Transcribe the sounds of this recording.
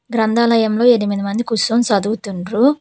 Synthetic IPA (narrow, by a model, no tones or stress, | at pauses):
ɡɾɐnd̪ʱaːlɐjɐmlo̞ːeɽimid̪imɐnd̪ikusomsɐd̪uut̪uɳɾu